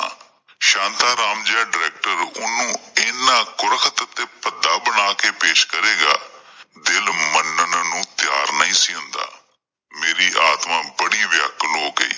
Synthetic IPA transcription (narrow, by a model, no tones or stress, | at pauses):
ʃãːnt̪aːɾaːmd͡ʒãːɖɪɾɛːk̚ʈəɾʊnːũːɪːnːaːkʊɾəkʰət̪t̪eːpəd̪aːbəɽaːkeːpeːʃkəɾeːɡa̰ːd̪ɪlmənənnũːt̪jaːɾnəĩːsiːʊ̃nd̪a̰ː | meːɾiːʔaːt̪mãːbəɽiːʋjəkloːkḛiː